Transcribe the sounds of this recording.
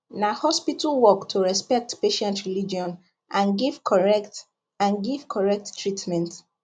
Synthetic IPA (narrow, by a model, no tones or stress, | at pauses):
nahɔspitʰalwɔktʰuɹɛspɛk̚tpeʃɛ̃ntɹilid͡ʒiɔ̃n | ʔãnɡiv̥kʰɔɹɛkt | ãnɡiv̥kʰɔɹɛk̚tːʰɹitmɛ̃nt